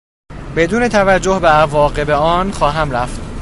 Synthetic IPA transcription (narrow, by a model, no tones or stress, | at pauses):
be̞d̪uːne̞t̪ʰævæd͡ʒːohbeævɒːɣe̞beɒːnxɒːɦæmɾæft̪